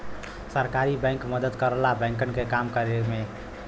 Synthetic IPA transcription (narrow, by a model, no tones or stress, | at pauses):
səɾkaɾibɛ̃ŋkməd̪əd̪kəɾəlabɛ̃ŋkənkekamkəɾeme